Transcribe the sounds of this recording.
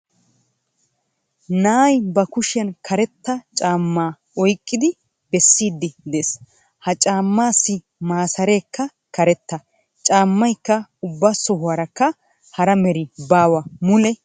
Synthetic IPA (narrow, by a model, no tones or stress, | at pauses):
naːjbɐkʊʃɪjɐnkʰɐɾɛt̪ːɐt͡ʃʼaːmːaː | ɔjkʼːɪd̪ɪ | bɛsːiːd̪ːɪd̪eːs | hɐt͡ʃʼaːmːaːsːɪ | maːsɐɾe̞ːkːɐ | kɐɾɛt̪ːɐ | t͡ʃʼaːmːɐjkːɐʊbːasɔɦʊwɐɾɐkːɐ | hɐɾɐmɛɾɪbaːwɐmʊlɛ